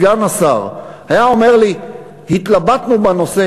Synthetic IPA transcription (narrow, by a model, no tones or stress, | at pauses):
ɡanasaʁhajao̞me̞ʁli | hit̪labat̪nubano̞se